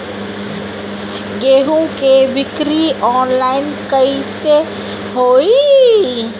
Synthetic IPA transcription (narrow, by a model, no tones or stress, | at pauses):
ɡeːɦũkebɪkɾiɔːnlaɪnkəise | ɦoːi